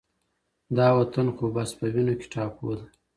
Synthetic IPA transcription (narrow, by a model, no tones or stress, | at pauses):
d̪ɑwat̪ankobaspəwinokʲe̥ʈɑpod̪a